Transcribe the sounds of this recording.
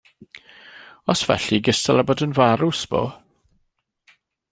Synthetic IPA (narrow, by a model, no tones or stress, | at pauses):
ɔsv̥ɛ̰ɬiɡəsalabɔdənvaɾʊsb̥o̰ː